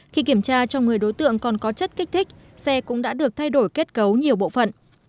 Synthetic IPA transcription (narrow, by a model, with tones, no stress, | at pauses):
xi˧ki˧˩əmt͡ɕaː˧t͡ɕɔ˧wŋ͡mŋɨ˨˩əjɗo˨˦jt̪ɨ̰˧˨əŋkɔ˨˩nkɔ˨˦t͡ɕə˦˥t̚ka˦˥k̚t̪ʰï˦˥k̟̚ | sɛ˧kʊ̰˧˥ŋ͡mɗa̰ː˧˥ɗɨ˨˩ək̚t̪ʰa˧jɗo˧˩jke˦˥t̚kə˨˦wɲi˨˩əwɓo̰˧˨fə̰˧˨n